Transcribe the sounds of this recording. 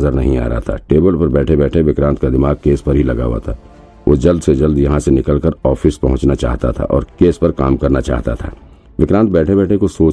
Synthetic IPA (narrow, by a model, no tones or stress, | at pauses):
zəɾnɐ̰ɦĩa̰ːɾa̰at̪ʰa̰ʈeːbəlpɐɾbɛːʈʰebɛːʈʰeʋɪkɾãːnt̪kad̪ɪmaːɡ̚keːspɐɾɦilɐɡa̰ːʋa̰t̪ʰaː | ʔo̰ːd͡ʒɐld̪sed͡ʒɐld̪jɐɦãsenɪkəlkəɾɔːfɪspɐɦʊ̃t͡ʃnat͡ʃa̰ːɦt̪a̰t̪ʰa̰ʔɔ̰ːɾkeːspɐɾkaːmkɐɾnat͡ʃa̰ːɦt̪a̰t̪ʰa̰ː | ʋɪkɾãːnt̪̚bɛːʈʰebɛːʈʰẽkosoː